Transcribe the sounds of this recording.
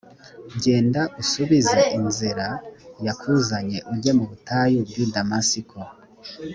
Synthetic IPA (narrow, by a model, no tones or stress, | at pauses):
ɟe̞ːndaʔusuβizaʔinzeɾajakʰuzaɲe̞ʔuɟe̞muβutajobjudamasikʰo